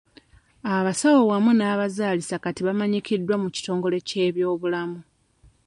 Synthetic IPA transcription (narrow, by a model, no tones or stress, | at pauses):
aβasawowamunaːβazaːlisakatiβamaɲicidːwamuci̥to̞ːŋɡo̞le̞ce̞ːβjo̞ːβulamu